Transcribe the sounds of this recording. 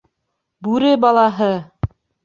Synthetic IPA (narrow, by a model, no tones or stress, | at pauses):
bʉɾɘbɑlˠɑɦɤ